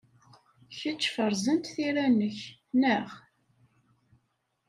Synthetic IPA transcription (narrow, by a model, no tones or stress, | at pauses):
çət͡ʃːfəɾˤzənt̪θiɾænəçnæʁ